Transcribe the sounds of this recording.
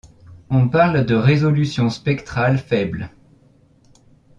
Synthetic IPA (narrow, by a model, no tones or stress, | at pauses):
ɔ̃paʁld̪əʁezɔlysjɔ̃spɛkt̪χalfɛbl